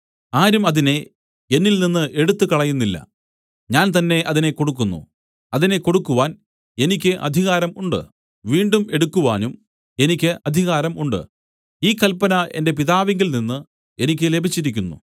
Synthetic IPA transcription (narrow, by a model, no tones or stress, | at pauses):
aːɾumɐðine̞ | e̞nːilninːɨʔe̞ɽut̪ːɨkɐɭɐjunːilːɐ̰ | ɲaːnt̪ɐnːe̞ʔɐðine̞ko̞ɽuk̬ːunːṵ | ɐðine̞ko̞ɽukːuʋaːn | e̞nikʲːɨʔɐ̰d̪ʱiɣaːɾɐmuɳɖɨ̰ | ʋiːɳɖume̞ɽukːuʋaːnum | e̞nikʲːɨʔɐd̪ʱiɣaːɾɐmuɳɖɨ̰ | iːkːɐlpɐnɐe̞nde̞piðaːʋeŋɡilninːɨ | e̞nik̬ʲːɨle̞bʱit͡ɕːiɾikʲːunːṵ